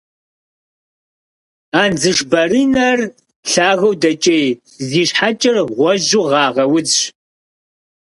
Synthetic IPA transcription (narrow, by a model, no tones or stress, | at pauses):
aːnd͡zɨʃbɐɾiːnɐr | ɬaːɣɐwdɐt͡ʃʼej | ziːɕħat͡ʃʼɪrʁʷɔʒuʁɑːʁɐwʊd͡zɕ